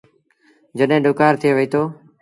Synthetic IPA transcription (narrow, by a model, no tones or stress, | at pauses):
d͡ʒəɗɦẽːɗʊːkaːɾt̪ʰɪeːʋəiːt̪ʰoː